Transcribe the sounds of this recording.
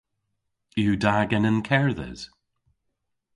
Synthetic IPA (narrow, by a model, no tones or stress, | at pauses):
judaɡənə̃nkʰɛɹðɛ̰z̥